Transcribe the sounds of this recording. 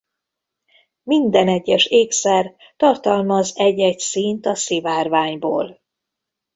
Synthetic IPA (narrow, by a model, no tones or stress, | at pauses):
mind̪ɛnɛɟːɛʃeːksɛr | t̪ɒrt̪ɒlmɒzɛɟɛcsint̪ɒsivaːrvaːɲbo̰ːl